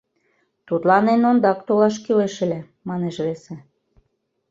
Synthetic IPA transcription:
t̪ut̪lɑnenond̪ɑkt̪olɑʃkyleʃɘ̆lʲe | mɑneʃβese

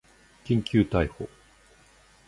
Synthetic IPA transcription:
kʲĩŋkʲɨːt̪aiho

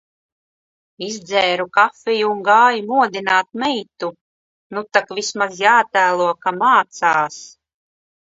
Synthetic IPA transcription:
izd̪zɛːɾukafijuːŋɡaːjumuɔd̪inaːt̪̚mɛjt̪u | nut̪akvismazjaːt̪æːlˠuɔkamaːt̪saːs

